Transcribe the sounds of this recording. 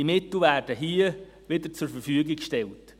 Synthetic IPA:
imɪtl̩væːrdəɦiə | ʋɪdəɾt͡sʊɾfəɾfyəɡɪkʃtɛlt

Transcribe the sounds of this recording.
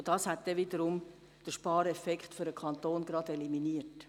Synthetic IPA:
d̥ɑːshæt̚d̥ɛviːdəɾʊm | d̥əʃpɑːɾɛfɛkχtføɾəkʰɑnt̪oːnɡɾɑdeliminiːət

